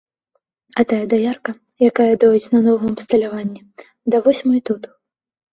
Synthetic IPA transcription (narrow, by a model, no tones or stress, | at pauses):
ɐt̪ajɐd̪ajarkɐ | jakajɐd̪ɔjʲit͡sʲnɐnɔɣɐɐpst̪ɐlʲavanʲːɛ | d̪ɐvɔsʲmɨit̪ut̪